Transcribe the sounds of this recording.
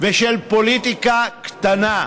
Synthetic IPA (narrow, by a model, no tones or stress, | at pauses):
veʃelpo̞lit̪ikakt̪ana